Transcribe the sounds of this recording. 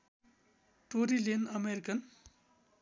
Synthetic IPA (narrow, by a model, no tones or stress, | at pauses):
ʈoɾilenʌmeɾikən